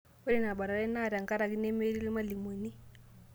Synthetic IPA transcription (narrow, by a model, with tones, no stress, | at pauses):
we˦ɾɛ˦˨na˨ba˨ɾa˨ɾɛ˦na˦˨ɾa˨ŋka˦ɾa˨ki˦nɛ˦me˦ɾi˦li˦ma˦li˨mo˨ni˦